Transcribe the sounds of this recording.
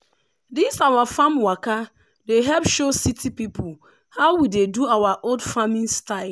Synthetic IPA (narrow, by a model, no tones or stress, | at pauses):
disawafamwaka | deɦɛlpʃositʰipipʊ | haʊwideduawaʔoldfamĩnstaɪ